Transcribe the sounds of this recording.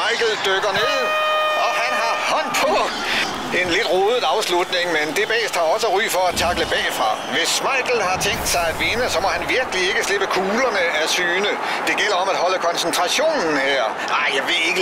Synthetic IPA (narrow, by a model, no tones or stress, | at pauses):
ɑ̈ɪ̰ɡ̥l̩d̥øɡ̥ɐne̝ð̰ˠɒ̽ɦænɦɑ̈hɒn̰pʰɒ | e̝nle̝d̥ʁɔːð̩ˠɑ̈ʊslud̥ne̝ŋmend̥e̝b̥ɛ̰ːsd̥hɑ̈ɒ̽səʁy̰ːfɒ̽æt͡sʰɑ̈ɡ̥ləb̥ɛ̰ːfʁɑ̈ʋe̝sːmɑ̈ɪ̰ɡ̥l̩hɑ̈t͡sʰeŋ̰d̥sɑ̈ɪæd̥ʋenəsɒ̽mɒ̽hænʋiɐɡ̥əlie̝ɡ̥əsle̝b̥əkʰuːlɐnəæsyːnə | d̥e̝ɡ̥el̰ɐɒ̽mæd̥hɒ̽ləkʰɒ̽nsnt͡sʰʁɑ̈ɕo̝̰ːnn̩heɐ̰ | ɑɪ̰jaɪʋeeɡə